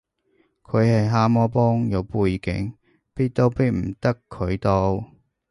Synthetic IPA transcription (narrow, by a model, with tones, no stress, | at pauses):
kʰɵ˨˧ɥhɐ˨jɦaː˥mɔː˥pɔː˥ŋjɐ˨˧wpuː˧jkɪ̰˨˥ŋ | piː˥t̚t̪o˥wpiː˥t̚m̩˨˩t̪ɐ˥kʰːɵ˨˧ɥt̪o˥w